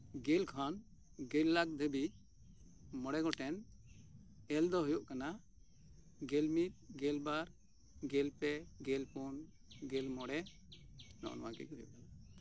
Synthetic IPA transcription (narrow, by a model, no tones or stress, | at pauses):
ɡɛlkʰɔnɡɛlːak̚d̪ebi | mɔɽɛɡɔʈɛn | ɛld̪ɔɦujɔʔkana | ɡɛlmit̪̚ɡɛlbaɾ | ɡɛlpɛɡɛlpɔn | ɡɛlmɔɽɛ | nɔ̰ʔɔ̰nɔ̰wakɛ̰d͡ʒɦujɔ̰ʔkana